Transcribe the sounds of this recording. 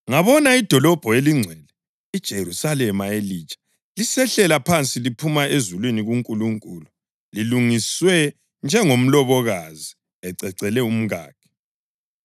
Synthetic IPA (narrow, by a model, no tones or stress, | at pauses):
ŋaβɔnaid̥ʱɔlɔb̥ʱɔeliŋ͡ǀʱwɛlɛ | id̥ʒ̥ʱeɾusalɛmaeliːt͡ʃʼḁ | lisɛɬɛlapʰant͡sʼilipʰumaʔezulwiniɣuŋkʼuluŋkʼulu | liluŋiswɛ | nd͡ʒʱɛŋom̩lɔβɔɣazi | ɛǀɛǀɛlɛum̩ɣa̰ːkʰɛ̥